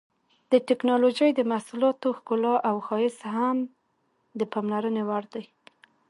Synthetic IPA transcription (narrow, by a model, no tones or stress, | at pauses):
d̪̥əʈɪknɑloʒəjd̪əmahsulɑt̪oxkʊlɑʔawxɑjɪsham | d̪əpamlaɾənewaɽd̪aj